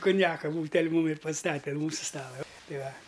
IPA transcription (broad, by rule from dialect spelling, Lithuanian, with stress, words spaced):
kʊnʲˈjæːkɐ ˈbuːtʲɛlʲ ˈmuːm ɪr pɐˈstɑːtʲɛ ɐn ˈmuːsʊ ˈstɑːlˠɐ ˈtɐɪ ˈʋɐ